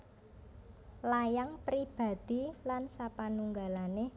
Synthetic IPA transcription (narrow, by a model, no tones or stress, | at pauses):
lajaŋpɾib̥a̤d̪̥i̤lansapanuŋɡalane